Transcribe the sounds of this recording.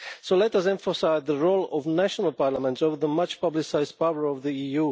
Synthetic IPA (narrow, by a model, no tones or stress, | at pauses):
soʊlɛtʌsɛ̃ɱfəsaɪzðəɹolˠɔvnæʃənəl̩ˠpaɹləmə̃ntsovəðəmʌt͡ʃpʌblɪsaɪzd̚paʊə˞ɔvðiiju